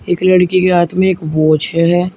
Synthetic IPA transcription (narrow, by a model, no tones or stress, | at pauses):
eːklɐɽkikeɦaːt̪mẽeːkʋoːt͡ʃəɦɛː